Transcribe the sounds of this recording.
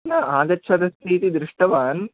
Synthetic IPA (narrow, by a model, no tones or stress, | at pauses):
nɐʔaːɡɐtːʃʰɐd̪ɐst̪ʰiːt̪id̪ɾɪʂʈɐʋaːn